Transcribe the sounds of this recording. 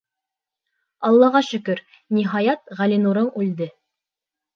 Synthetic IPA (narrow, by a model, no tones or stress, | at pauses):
ɑlˠːɑʁɑʃɵ̆kɵɾ | niɦɑjɑt̪ʁælinuɾɤɴʉld̪ɘ